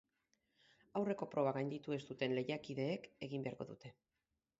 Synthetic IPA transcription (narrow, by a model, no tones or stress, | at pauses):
awre̞ko̞pɾo̞β̞aɣajnd̪it̪ue̞st̪ut̪e̞nle̞jakiðe̞ːke̞ɣimbe̞aɾko̞ðut̪e̞